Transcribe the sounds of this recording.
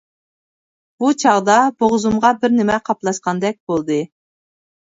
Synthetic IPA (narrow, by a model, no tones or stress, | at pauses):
b̥ut͡ʃʰɑʁd̪ɑboʁzumʁɑbɪɾnɪmɛqʰɑplˠɑʃqɑnd̪ɛk̚ʲb̥olˠd̪ɨ